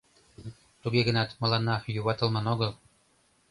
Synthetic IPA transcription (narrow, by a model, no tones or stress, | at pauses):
t̪uɡeɣə̆nɑt̪mɤ̆lɑnːɑjuβɑt̪ɤ̆lˠmɑnoɣɤlˠ